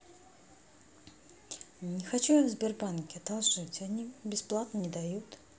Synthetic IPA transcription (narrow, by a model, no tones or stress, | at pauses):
nʲɪxat͡ɕujavzbʲɪrbankʲɪɐd̪alˠʐɨt͡sʲanʲibʲɪsplˠat̪nənʲɪd̪ajut̪